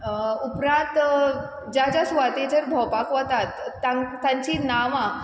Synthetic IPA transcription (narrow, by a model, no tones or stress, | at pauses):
upɾãt̪ | d͡ʑat͡ɕasʋat̪ed͡ʑəɾbʱɔwpakʋət̪at̪ːaŋt̪ãɲt͡ɕinaʋã